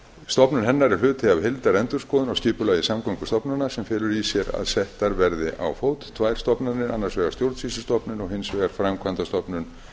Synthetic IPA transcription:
st̪ɔpnʏnɦɛnːaɾɛɾ̥lʏːt̪ʰɪavɦɪlt̪aɾɛnt̪ʏɾ̥skɔːðʏnɔwscɪːpʏlaːjðɪsamkʰɔŋkʏ̥st̪ɔpnanasɛmfɪːlʏɾisjɛɾa̰ðsɛht̪aɾvɛɾðɪʔa̰wfoːwt̪t̪ʰvaːjɾ̥st̪ɔpnanːɪɾanːaɾ̥svɛɣḁɾst̪jowɾt̪sisɪst̪ɔpnʏnɔɣhɪnsvɛːɣaɾ̥fɾamkʰvant̪ast̪ɔpnʏn

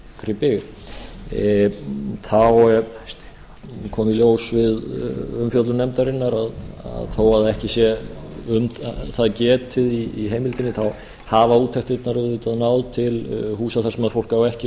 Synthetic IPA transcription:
kɾɪpɪɣ | θaw | kʰɔːmɪljoːwsvɪðʏmfjœt̪lʏnɛmt̪aɾɪnːaɾaða̰ðθoːwaðaɛhcɪsjɛʏmθaðcɛːt̪ʰɪðiːɦeːjmɪlt̪ɪnːɪθaw | haːvauːt̪ʰɛht̪ɪt̪naɾɛɪt̪aðnawðt̪ʰɪlhuːsaθaɾ̥sɛmɛðɾfowl̥kaːwɛhcɪ

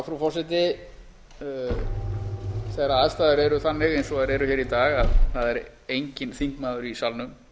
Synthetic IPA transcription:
fɾɔfɔɾsɛt̪̬ɪ | θɛɾaaðst̪aːðʏɾɛɾʏθanːɪɣejnsɔaðɾɛɾʏçɛːɾit̪aːɣaðθaðɛɾ | ejɲcɪnθiŋkmaːðʏɾisalnʏm

